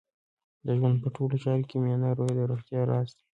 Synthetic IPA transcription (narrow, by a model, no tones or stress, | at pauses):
d̪əʒwand̪̚pəʈʰolot͡ʃɑɾokemjɑnaɾojed̪əɾoxt̪jɑɾɑst̪ḁ